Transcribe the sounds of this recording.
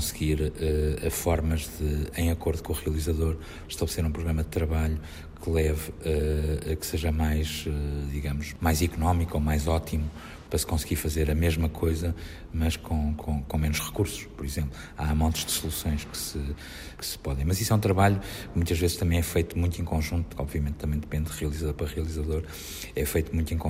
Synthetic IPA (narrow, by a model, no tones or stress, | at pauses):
kõsɣiɾɛɐfɔɾmɐʒðɨɐ̃j̃ɐkoɾðukõuʁiɐlˠizɐðoɾ | ʃt̪ɐβlˠseɾũpɾuɣɾɐmɐd̪ɨt̪ɾɐβaʎu | kʰɨlˠɛvɛɐkɨ̥seʒɐmajʃɛd̪iɣɐmuʃmajzikunɔmikuomajzɔt̪ʰimu | pɾɐskõsɣiɾfɐzeɾɐmeʒmɐkʰojzɐ | mɐʃkʰõkʰõkõmenuʃʁɨkuɾsu̥ʃpɔɾizẽmplˠu | a̰mõnt̪ʒ̥d̪sulˠusõj̃ʃkɨ̥sɨ | kɨ̥sɨ̥pɔðɐ̃j̃mɐziswɛũt̪ɾɐβaʎu | kmũt̪ɐʒvezʃt̪ɐmɐ̃j̃ɛfɐjt̪umũj̃t̪ẽkõʒũnt̪u̥ɔ̰bviɐmẽt̪t̪ːɐmɐ̃ẽt̪d̪ɨpẽnd̪d̪ʁiɐlˠizɐðoɾpɾɐʁiɐlˠizɐðoɾ | ɛfɐjt̪umũt̪ẽkõ